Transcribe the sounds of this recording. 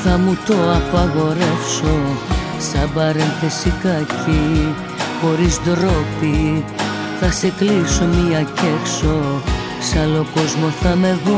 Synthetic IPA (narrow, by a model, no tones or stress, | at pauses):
θɐmut̪o̞ɐpɐɣo̞ɾe̞fso̞ | sɐbɐɾenθe̞sikɐci | xo̞ɾizd̪ɾopi | θɐse̞kliso̞miɐce̞kso̞ | sɐlo̞ko̞zmo̞θɐme̞ðo